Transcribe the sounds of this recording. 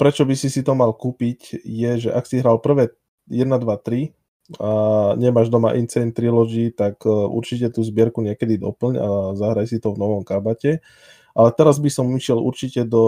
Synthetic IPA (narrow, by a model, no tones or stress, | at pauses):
pɾɛt͡ʃɔbisisit̪ɔmalkuːpicjɛʒɛʔaksiɦɾaːlpr̩ʋɛː | jɛd̪nad̪ʋat̪ɾi | aɲɛmaːʒd̪ɔmaʔint͡sɛnt̪ɾilɔd͡ʒit̪akṵɾt͡ʃicɛt̪uːzbɪɛɾkuɲɪɛkɛd̪id̪ɔ̰pl̩ɲa̰zaɦɾajsit̪ɔvnɔʋɔmkabacɛ | ʔalɛt̪ɛɾazbisɔmiʃɪɛlṵɾt͡ʃicɛd̪ɔ